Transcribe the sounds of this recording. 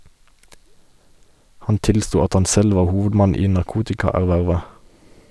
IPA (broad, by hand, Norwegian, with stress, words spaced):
ˈhɑn ˈtɪlˌstuː ˈɑt ˈhɑn ˈsɛl ˈʋɑː ˈhuːʋədˌmɑn ˈiː nɑʁˈkuːtɪkɑˌæʁˌʋæʁʋə